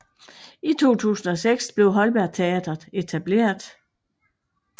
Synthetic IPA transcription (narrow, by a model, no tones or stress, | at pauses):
it͡sʰo̝̰ːt͡sʰṵːsn̩ɒ̽seɡ̥sb̥le̝ʊɦɒ̽lb̥æɐ̰t͡sʰe̝ɛd̥ɐðˠe̝t͡sʰæb̥le̝̰ːɐð̥ˠ